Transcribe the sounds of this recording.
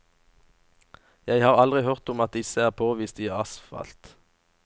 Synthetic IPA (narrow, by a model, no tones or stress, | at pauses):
jæɪhɑːʁɑlʁɪhœʁt̪ʊmɑt̪̚d̪ɪsəæːʁpʰoːʋiːst̪iːɑsfɑ̰lt̪